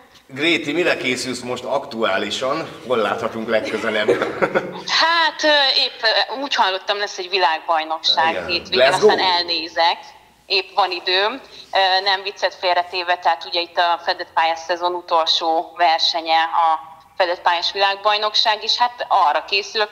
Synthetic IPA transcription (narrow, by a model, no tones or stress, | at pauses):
ɡreːt̪imilɛkeːsylsmo̞ʃt̪ɒkt̪uaːliʃɒnholla̰ːt̪hɒt̪uŋklɛkːøzɛlɛb | haːt̪øeːpːuːchɒlːo̞t̪ːɒmlɛsːɛɟʋilaːɡ̚bɒjno̞kʃaːɡ̪eːt̪ʋeɡɛɒsaːnɛlneːzɛk | eːpʋɒnid̪øːmønɛɱvit̪sːɛt̪feːrɛt̪eːvɛt̪ɛɦaːt̪uɟɛit̪ːɒfɛd̪ɛt̪̚paːjasːɛzo̞nut̪o̞lʃoːvɛrʃɛɲɛɒ | fɛd̪ɛt̪̚paːjaʃʋilaːɡ̚bɒjno̞kʃaːɡeːʃhat̪ɒrːɒkeːsyl